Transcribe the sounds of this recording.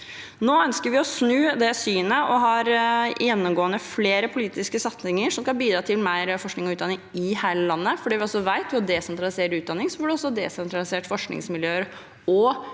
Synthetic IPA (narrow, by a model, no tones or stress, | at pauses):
noːœnskəɾʋɪɔsnʉːd̪ɛsyːnəʔɔɦɑɾjɛnːʊmɡoːənəfleːɾəpʰʊliːt̪ɪskəsɑt̪sɪŋəʂɔmskɑnbiːd̪ɾɑːt̪ʰɪlmæɪɾfɔʂknɪŋɔʉːd̪ɑnɪŋɪhæɪləlɑnːəfɔɖiːʋɪɔsɔʋæɪt̪ʋɪɔd̪ɛsɛnt̪ɾɑlɪseːɾəɾʉːd̪ɑnɪŋsɔʋɔɖɛɔsɔd̪ɛːsɛnt̪ɾɑlɪseːʈfɔʂknɪ̰ŋsmɪljøːəɾ | ɔ